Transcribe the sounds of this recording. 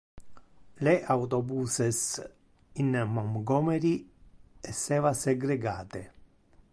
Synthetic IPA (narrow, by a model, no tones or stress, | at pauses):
leʔawt̪ɔbuːses | inmɔmɡɔːmeɾi | ɛsːɛːvaseɡɾeɡaːt̪e